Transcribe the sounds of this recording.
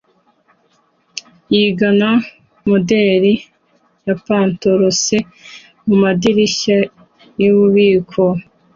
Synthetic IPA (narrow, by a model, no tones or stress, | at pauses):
jiːɡana | modeːɾi | japaːntoɾose | mumadiɾiʃa | jiβuβiːkʰo